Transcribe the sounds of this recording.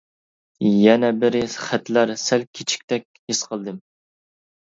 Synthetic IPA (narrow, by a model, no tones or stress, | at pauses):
jɛnɛbɪɾɪχæt̪læɾsɛlkʲʰet͡ʃʰi̥k̚ʲt̪ɛkʲhesqʰəlˠd̪ɨm